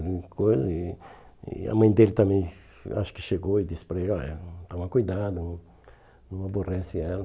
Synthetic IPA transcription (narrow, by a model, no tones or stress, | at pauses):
d̪̃kojzɐɪ | ɪ̰ɐ̰mɐ̃j̃d̪elɪt̪ɐ̃mẽj̃ | a̰ʃʊ̥kɪ̥ʃeɡoɪd̪ispɾeɡat̪ãw̃ɐkujd̪ad̪ʊ̃ | nɐ̃w̃aborɛsɪɛlɐ